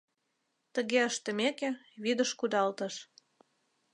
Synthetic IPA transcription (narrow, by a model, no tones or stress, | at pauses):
t̪əɣeəʃt̪ə̆meke | βid̪ə̆ʃkud̪ɑlt̪ə̆ʃ